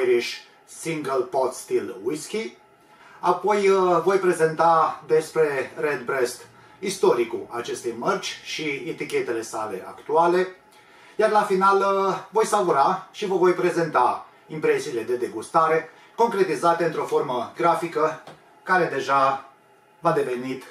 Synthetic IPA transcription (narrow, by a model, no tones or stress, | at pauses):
ɾiʃ | siŋɡəlpot̪st̪ilwiskʲi | apo̞jvo̞jpɾe̞ze̞nt̪ad̪e̞spɾe̞red̪bɾest̪ | ist̪o̞ɾikuat͡ʃe̞st̪ejmərd͡ʒʲʃiet̪ikʲe̞t̪e̞le̞sale̞̰ʔa̰kt̪uale̞ | jarlafinalvo̞jsavuɾaʃivəvo̞jpɾe̞ze̞nt̪a | impɾe̞siːle̞d̪e̞d̪e̞ɡust̪aɾe̞ | ko̞ŋkɾe̞t̪izat̪e̞ɨnt̪ɾo̞fo̞rməɡɾafikə | kaɾe̞d̪e̞ʒa | vad̪e̞ve̞nit̪